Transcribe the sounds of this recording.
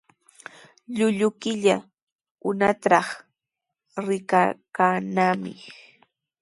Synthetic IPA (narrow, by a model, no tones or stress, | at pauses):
ʎʊʎʊkɪʎa | ʊnat̪ɾɑχ | ɾɪkakanamɪ̰